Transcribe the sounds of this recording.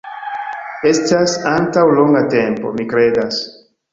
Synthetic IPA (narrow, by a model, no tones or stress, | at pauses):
e̞stasantawlo̞ŋɡate̞mpo̞̰mikɾe̞das